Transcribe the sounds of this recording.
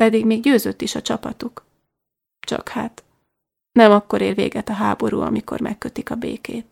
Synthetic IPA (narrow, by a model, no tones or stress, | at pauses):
pɛd̪iɡmeːɡɟøːzøt̪ːiʃɒt͡ʃɒpɒt̪uk | t͡ʃɒ̰khaːt̪ | nɛmɒkːo̞ɾeːlʋḛːɡɛt̪ɒɦaːbo̞ɾṵːɒ̰miko̞̰rmɛkːøt̪ikɒbḛːkeːt̪̚